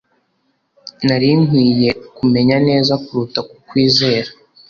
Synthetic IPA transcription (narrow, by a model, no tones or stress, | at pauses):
naɾiŋwiːje̞kume̞ɲane̞ːzakuɾutakukwiːze̞ːɾḁ